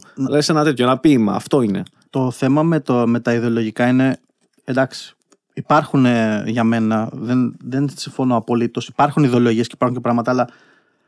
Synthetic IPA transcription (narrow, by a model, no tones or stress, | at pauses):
nlesenɐt̪et̪ço̞enɐpimɐ̰ːft̪o̞ine̞̰ | t̪o̞θe̞mɐmet̪ome̞t̪ɐiðe̞o̞lo̞ʝikɐine̞ | d̪ɐksi̥ | ipɐɾxuneʝɐme̞nɐðenðe̞nsiɱfo̞noɐpo̞lit̪o̞si̥pɐɾxuniðe̞oloʝiesce̥ipɐɾxuɲcepɾɐɣmɐt̪ɐːlɐ